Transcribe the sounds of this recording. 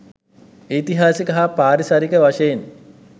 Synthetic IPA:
iːt̪iɦaːsikɐɦapaːɾisaɾikəʋaʂɐjen

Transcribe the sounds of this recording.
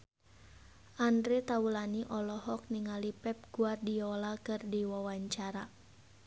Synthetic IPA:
ʔandɾet̪aulaniʔɔlɔɦɔk̚niŋalipɛp̚ɡ̥uardiɔlakɨrdiwawaɲt͡ʃaɾa

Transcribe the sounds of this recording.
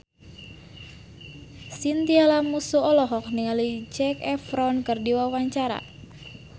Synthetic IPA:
sint̪ialamusuɔlɔɦɔk̚niŋalid͡ʒɛkɛfɾɔnkɨrdiwawaɲt͡ʃaɾa̰

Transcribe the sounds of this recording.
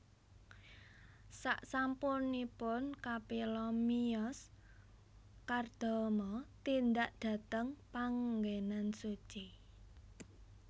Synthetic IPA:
sa̰ʔsampʊnipʊnkapilɔmiɔs | kard̪̥ɔ̤mɔt̪ind̪aʔd̪̥ä̤t̪əŋpaŋɡenansut͡ʃi

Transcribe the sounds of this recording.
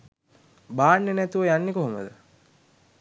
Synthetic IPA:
baːnːenæt̪uʋəjanːekoɦomə̰d̪ə

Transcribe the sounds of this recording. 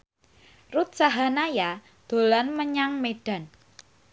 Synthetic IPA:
rut̪̚saɦanaja | d̪̥o̤lanməɲaŋmeɖ̥a̤n

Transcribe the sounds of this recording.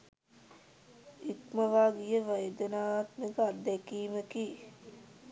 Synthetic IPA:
ikməʋaːɡijəʋəjd̪ənaːʋat̪məɡad̪ːɛkiːməki

